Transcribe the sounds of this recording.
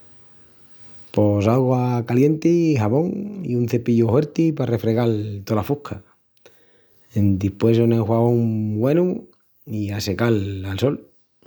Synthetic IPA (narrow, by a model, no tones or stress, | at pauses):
po̞saɣwakalje̞nt̪iɦaβo̞ŋḭunθe̞piʝohwe̞ɾt̪ipare̞fɾe̞ɣ̞alt̪olafuhkʰa | end̪ipwe̞soneŋxwaβoŋbwe̞nu | iase̞kalalso̞l